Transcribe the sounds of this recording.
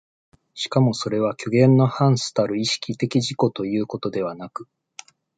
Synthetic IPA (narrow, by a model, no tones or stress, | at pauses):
ɕi̥kamo̞so̞ɾe̞β̞akʲo̞ɡẽ̞nːo̞hãɰ̃sɨ̥t̪aɾɯ̟iɕi̥kʲit̪e̞kʲiʑiko̞t̪o̞jɯ̟ːko̞t̪o̞d̪e̞β̞anakɯ̟